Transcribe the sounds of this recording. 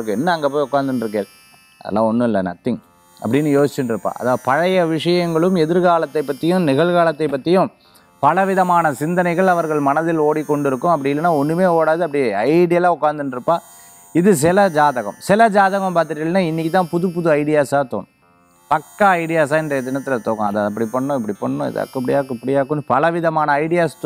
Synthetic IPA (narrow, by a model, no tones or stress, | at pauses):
ɾɯkːɯɛnːɐɐŋɡeːp̬oːɪʊkːaːnd̪ɯnɖɪɾɯk̬ːeːl | ɐ̰ðɐ̰lːã̰ːɔnːɯɪlːɐnɐ̰t̪ːɪŋ | ɐpːɐɽɪnːɯjoːsɪt͡ʃːɪnɖɪɾɯpːa̰ːɐ̰ðaːðɯpɐɻɐjɐʋɪʂɐjɐŋɡɐɭɯmɛðɪɾɣaːlɐt̪ːɐɪpːɐʈ̪ːɪjʊ̃mnɪɣɐɭɣaːlɐt̪ːɐɪpːɐt̪ːɪjʊ̃ | pɐlɐʋɪðɐmaːnɐsɪnd̪ɐnɐɪɣɐɭɐʋɐɾɣɐɭmɐnɐðɪloːɽikːɔɳɖɪɾɯkːɯmɐp̬ːɐɽɪjɪlːɐnːaːɔnːɯmeːoːɽaːðɯɐpːɐɽɪɐɪɽɪjɐlãːʊkːaːnd̪ɯnɖɪɾɯpːaː | ɪðɯs̬ɪlɐd͡ʒaːðɐɣɐ̰̃msɪlɐd͡ʒaːðɐɣɐmpaːɾt̪ːɪɾɪɐlːɐnːaːɪnːɪkːɪt̪ːãːpʊðɯpːʊðɯɐɪɽɪjaːsaːt̪o̰ːɳʊ̃ | pɐkːɐɐɪɽɪjaːsaːɪndrɐɐd̪ɪnɐt̪ːɪlɐt̪oːkɐ̰̃ɐðaːɐp̬ːɐɽipɐɳːʊ̃ɪp̬ːɐɽipɐɳɐːʊ̃ɪ̰ða̰ːkːpːɐɽɪjaːkɯpɐɽɪjaːkːɯnpɐlɐʋɪðɐmaːnɐɐɪɽɪjaːst̪